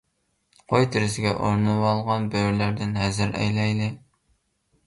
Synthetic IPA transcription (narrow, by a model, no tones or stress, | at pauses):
qʰojt̪ʰɪɾɪsɪɡʲɛ̰ʔoɾnɨwɑlˠʁɑnbøɾlæɾd̪ɪnɦɛzɪɾɛ̰jlɛjlɪ